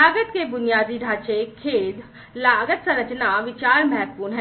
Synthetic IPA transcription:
aːɡət̪kebʊnijaːd̪iɖʱaːt͡ʃekʰeːd̪ | laːɡət̪sɐ̃ɾət͡ʃnaʋɪt͡ʃaːɾmɛɦːt̪̚puːnɦɛ

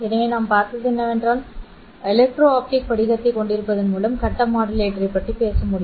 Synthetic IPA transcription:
ɪðɐŋeːnaːmpaːɾt̪ɯðɛnːɐʋɛndraːl | ɛlɐk̚ʈɾoːaːp̚ʈɪk̚pɐɽɪɣɐt̪ːɐɪkːɔɳɖɪɾɯpːɐðɐnmuːlɐmkɐʈːɐmaːɽɪleːʈɐɾɐpːɐʈripeːsɐmʊɽɪjm

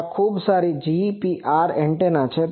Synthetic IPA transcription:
kʰuːbsaɾid͡ʒipiʔaɾẽɳʈenat͡ʃʰe

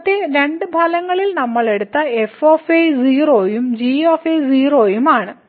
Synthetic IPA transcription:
t̪ːeɾe̞ɳɖɨbʱɐlɐŋːɐɭilnɐmːɐɭe̞ɽut̪ːɐe̞foːfeziːroːjumd͡ʑiːoːfeziːroːjumaːɳɨ

